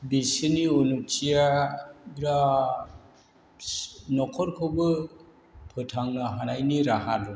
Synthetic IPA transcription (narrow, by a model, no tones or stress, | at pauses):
bisiniɔnut͡ʃijaɡɾa | nɔkʰɔɾkʰɯbɯ | pʰɯtʰaŋnaɦanajniɾaɦadɔ